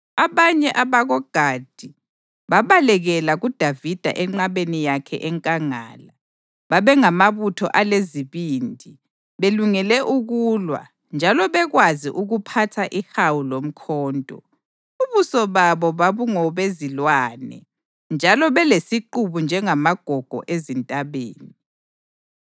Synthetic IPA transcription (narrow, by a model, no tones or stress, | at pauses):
aβaɲɛʔaβaɣɔɡ̥ʱad̥ʱi | βaβalɛɣɛlaɣud̥ʱavid̥ʱa̰ʔɛŋ͡ǃaβenijakʰɛ̰ʔɛŋkʼaŋa̰ːla | βaβɛŋamaβutʰɔ̰ʔaleziβiːndʱi | βeluŋɛlɛʔuɣuːlwa̰ | nd͡ʒʱalɔβɛɣwaziʔuɣupʰatʰaʔihawulom̩kʰɔːntʼɔ̰ | uβusɔβaβɔβaβuŋɔβezilwaːnɛ̰ | nd͡ʒʱalɔβɛlesiǃuβund͡ʒʱɛŋamaɡ̥ʱɔɡ̥ʱɔ̰ʔezintʼaβeːni